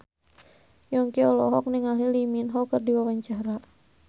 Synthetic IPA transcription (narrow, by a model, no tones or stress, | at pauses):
jɔŋkiɔlɔɦɔk̚niŋaliliminɦɔkərdiwawaɲt͡ʃaɾa